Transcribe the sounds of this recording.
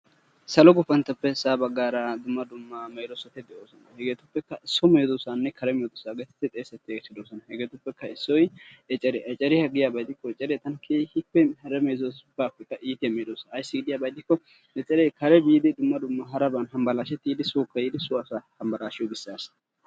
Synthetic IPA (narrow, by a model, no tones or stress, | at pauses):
sɐlɔɡʊfɐnt̪ɐpːɛsaːbɐɡːaːɾɐd̪ʊmːɐd̪ʊmːɐmɐjlɔsɐt̪ɛd̪ɛoːsɔnɐhɛɡeːt̪ʊpːɛkːɐʔɪsːɔmeːzɔsaːnːɛkʰɐɾɛmeːd̪ʊsaːɡet̪ɪ̥t̪ːɪt̪ʼeːsːɛt̪ːɪɡt͡ʃːɪd̪oːsɔnɐhɛɡeːt̪ʊpːɛkːɐɪsːɔjɛt͡ʃʼɛɾɛʔɐt͡ʃʼɛɾɪhɐɡɪjaːbɐjt̪ɪkːɔɛt͡ʃʼːɛɾɛt̪ɐnkʰehɪkːɛhɐɾɛmɐjzosbaːpːɛkːɐʔiːt̪ɪjɐmeːd̪osːjsːɪɡɪd̪ɪjaːbɐjt̪ːɪkːɔ | ɛt͡ʃʼɛɾɛkʰɐɾɛbiːd̪ɪd̪ʊmːɐd̪ʊmːɐɦɐɾɐbɐnɦɐmbɐlaːʃɛt̪ːiːd̪ɪsuːkːɐjid̪ɪsʊɐsahɐmbɐlaːʃɪjɔɡɪsːaːs